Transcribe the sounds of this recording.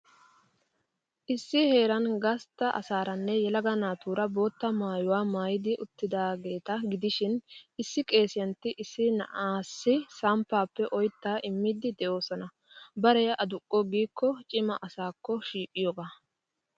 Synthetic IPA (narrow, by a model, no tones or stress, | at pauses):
ʔɪsːɪhe̞ːɾɐnɡɐst̪ːɐʔɐ̰saːɾɐnːɛjɛlɐɡɐnaːt̪uːɾɐbo̞ːt̪ːɐmaːjʊwaːmaːjɪd̪ɪʔʊt̪ːɪd̪aːɡe̞ːt̪ɐɡɪd̪ɪʃɪnɪsːɪkʼe̞ːsɪjɐnt̪ːɪʔɪsːɪnɐ̰ʔaːsːɪsɐmpːaːpːɛʔɔjt̪ːaːʔɪmːɪd̪ɪd̪ɛʔo̞ːsɔnɐ | bɐɾɛjɐʔɐd̪ʊkʼːɔɡiːkːɔt͡ʃʼɪmɐʔɐsaːkːɔʃiːkʼːɪjɔɡa